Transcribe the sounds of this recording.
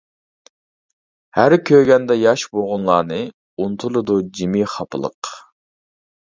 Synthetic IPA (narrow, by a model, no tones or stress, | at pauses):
hæɾkʲʰøɡʲɛnd̪ɛjɑʃboʁʊnlˠɑːnɨ | unt̪ʰulˠɨd̪ud͡ʒimiχɑpʰɨlˠə̰q